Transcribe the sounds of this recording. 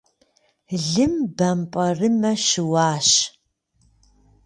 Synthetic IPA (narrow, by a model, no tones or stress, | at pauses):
ɮɨmbɐmpʼɐrɨmɐʃɪwaːɕ